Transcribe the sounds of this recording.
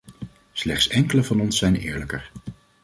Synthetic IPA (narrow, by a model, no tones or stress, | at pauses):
slɛχtsɛŋkələvɑnɔnsːɛjnɪ̰ːɹləkəɹ